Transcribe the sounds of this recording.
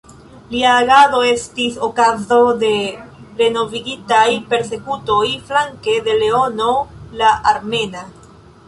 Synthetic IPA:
liaːɡado̞e̞stiso̞kazo̞de̞ɾe̞no̞viɡitajpe̞ɾse̞kuto̞jflaŋke̞de̞le̞o̞no̞laʔaɾme̞na

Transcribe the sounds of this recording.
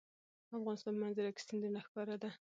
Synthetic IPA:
afɣɑnɪst̪ɑnmanzaɾakɪ̥st̪and̪əɾnaxkɑɾad̪a

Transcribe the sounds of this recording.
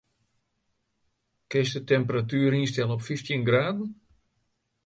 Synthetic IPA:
kɪstətɛmpəratyːɾinstɛlˠəɔpfiftinɡraːdn̩

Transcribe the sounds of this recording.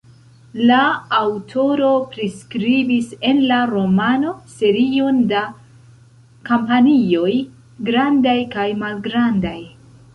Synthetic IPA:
laːwtʰo̞ɾo̞pɾiskɾibise̞nlaɾo̞mano̞se̞ɾionda | kampanio̞j | ɡɾandajkajmalɡɾandaj

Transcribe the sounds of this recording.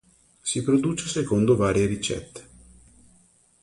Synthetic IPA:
sipɾod̪ut͡ʃesekond̪ovaːɾjeɾit͡ʃɛ̰t̪ʰːe̥

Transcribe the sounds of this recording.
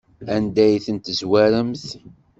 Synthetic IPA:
ænd̪æjθənt̪zwæɾəmθ

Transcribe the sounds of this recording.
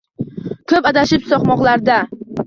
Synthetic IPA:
kʰɵpad̪aʃɪpsɒqmɒqlˠaɾd̪a

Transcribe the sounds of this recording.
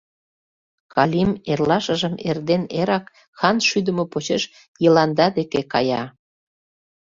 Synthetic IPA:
kɑlʲimerlɑʃə̆ʒəmerd̪eneɾɑk | xɑnʃyd̪əmopot͡ɕeʃ | jəlɑnd̪ɑd̪ekekɑ̰jɑ

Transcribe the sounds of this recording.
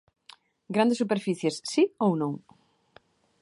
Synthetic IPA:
ɡɾand̪esupeɾfiθjesːiownõŋ

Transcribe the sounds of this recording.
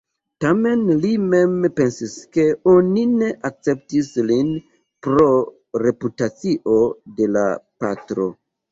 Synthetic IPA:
tame̞nlime̞mpe̞nsiske̞onine̞ʔak̚t͡se̞ptislin | pɾo̞ | ɾe̞putat͡siʔo̞de̞la̰pa̰tɾo̞̰

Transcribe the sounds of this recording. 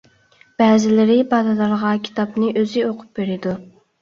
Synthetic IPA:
b̥ɛːzɪlɪɾɪbɑd̪ɑd̪ˠɑɾʁɑkʲʰi̥t̪ʰɑpnɪʔøzɪoqʰʊ̥p̚beɾɪd̪u

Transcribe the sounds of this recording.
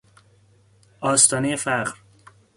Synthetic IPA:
ʔɒːst̪ʰɒːnejefæʁɾ

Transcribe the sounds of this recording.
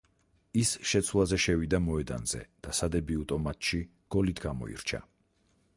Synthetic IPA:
isʃɛt̪sʰwlˠazɛʃɛvid̪amɔɛd̪a̰nz̥ɛ̰d̪̥asad̪ɛbiut̪ʼɔmat̪ʃi | ɡ̥ɔlit̪ʰɡamɔ̰ḭɾt͡ʃʰa̰

